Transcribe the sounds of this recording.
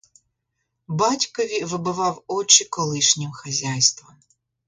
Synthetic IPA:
bɑtʲkɔʋʲiʋɪbɪʋɑwɔt͡ʃikɔlˠɪʃnʲimxɐzʲajst̪ʋɔm

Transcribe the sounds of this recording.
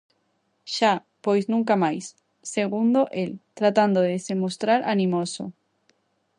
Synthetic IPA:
ʃa | pojznũŋkamajsː | eɣ̞und̪oʔelt̪ɾat̪and̪oðesemost̪ɾaɾanĩmoso̰

